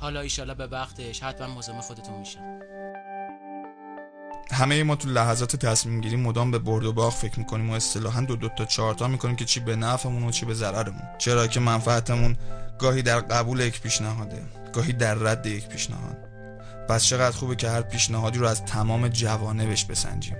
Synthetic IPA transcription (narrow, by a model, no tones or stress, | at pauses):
hɒːlɒiʃɒːlɒbevæχt̪ʰeʃhæt̪mænmozɑmːexod̪et̪ʰunmiʃæ | hæme̞jemɒːt̪ʰulæɦæzɒːt̪ʰet̪ʰæsmiːmɟiːɾiːmo̞d̪ɒːmbe̞boɾd̪o̞bɒːɣfe̞cʰɾmiːkʰo̞niːmoe̞st̪ʰe̞lɒːɦænd̪od̪ot̪ʰɒːt͡ʃʰɒːɾt̪ʰɒːmiːkʰoniːmcʰe̞t͡ʃʰiːbe̞næfe̞munot͡ʃʰiːbe̞zæɾæɾe̞mṵnt͡ʃʰe̞ɾɒːcʰe̞mænfææt̪ʰemunɡɒːhiːd̪æɾɢæbuːlejecʰpʰiːʃnæɦɒːd̪e̞̰ | ɡ̥ɒːɦiːd̪æɾːæd̪ːe̞je̞cʰpʰiʃnæ̰hɒ̰ːd̪̥̚ | pʰæst͡ʃʰe̞ɣæd̪xuːbecʰe̞hæɾpʰiːʃnæɦɒːd̪iːɾoæzt̪ʰæmɒːme̞d͡ʒævɒːne̞be̞ʃbe̞sæ̰nd͡ʒḭːm